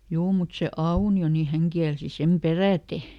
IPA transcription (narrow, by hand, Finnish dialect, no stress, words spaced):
juː mut se ɑunio ni hæŋ kiælsi sem peræˑte